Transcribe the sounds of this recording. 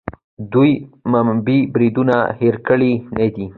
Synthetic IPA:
d̪ujmambibɾid̪unaheɾkəɭined̪i

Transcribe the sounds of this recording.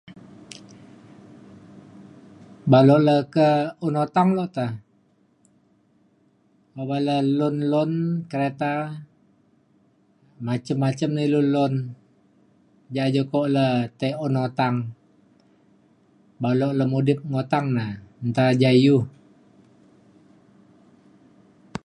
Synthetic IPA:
balɔʔləkəunot̪aŋlɔʔt̪ə | obaləlʊnlɔnkəɾet̪a | mat͡ʃəmːat͡ʃəmnəilunlɔn | d͡ʒad͡ʒokoʔlət̪əɔnot̪aŋ | balɔʔləmudɪp̚ŋot̪aŋnant̪ad͡ʒajuh

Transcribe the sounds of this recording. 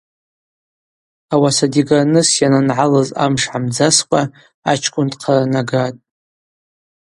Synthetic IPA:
awasadiɡanɨsjananʕalaza̰mʂʕamd͡zaskʷʼa | at͡ʃʰkʷʼʊntqʰanaɡatʼ

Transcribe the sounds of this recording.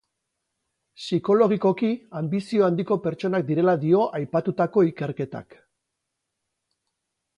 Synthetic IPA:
siko̞lo̞ɣ̞iko̞kiambisio̞and̪iko̞pe̞ɾt͡ʃo̞nak̚d̪iɾe̞laðio̞ʔajpat̪ut̪ako̞ike̞ɾke̞t̪a̰k

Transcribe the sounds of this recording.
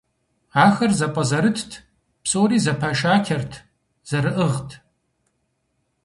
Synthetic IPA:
aːxɐrzapʷʼazɐɾɨtʰtʰ | pʰsʼoːɾiːzapʰɐʃaːkʲʰɐrtʰ | z̥ɐɾɨʔɨʁtʰ

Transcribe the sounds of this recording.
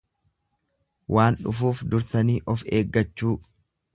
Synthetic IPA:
wʔaːnᶑʊfuːfd̪ʊɾsɐniːʔɔfe̞ːɡːɐt͡ʃːuː

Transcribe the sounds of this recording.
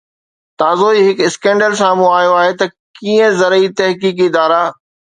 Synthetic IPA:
t̪aːzoiɦɪkɪskɛ̃ːɳɖəls̬ãmũaːjoaːɦet̪ɐkiːə̃zɐɾəit̪ɐɦkiːkɪd̪aːɾaː

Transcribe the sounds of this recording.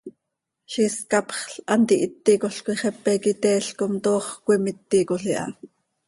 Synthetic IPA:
ʃiskɑpχɬʔɑnt̪iʔit̪ːikoɬkʷiχɛpːɛkit̪ɛːɬkomt̪oːχkʷimit̪ːikoɬiʔɑ̰

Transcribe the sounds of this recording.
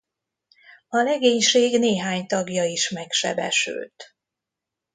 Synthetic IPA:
ɒlɛɡeːɲʃeːɡneːɦaːɲt̪ɒɡjɒiʃmɛkʃɛ̰bɛ̰ʃy̰lt̪

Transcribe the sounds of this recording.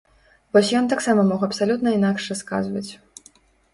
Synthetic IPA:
vɔsʲjɔnt̪aksamɐmɔxɐpsalʲut̪nɐinakʂaska̰zvɐt͡sʲ

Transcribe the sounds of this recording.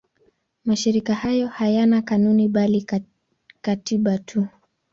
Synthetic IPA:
maʃiɾikahajɔhajanakanuniɓali | katiɓatʰu

